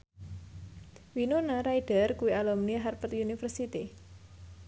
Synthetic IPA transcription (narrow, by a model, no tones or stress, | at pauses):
winonaɾaiɖ̥ərkuialɔmniaɦarpət̪unifərsit̪i